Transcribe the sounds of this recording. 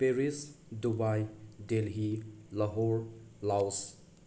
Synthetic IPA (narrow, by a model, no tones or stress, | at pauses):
peɾisdubajdelɦilɐɦoɾlaws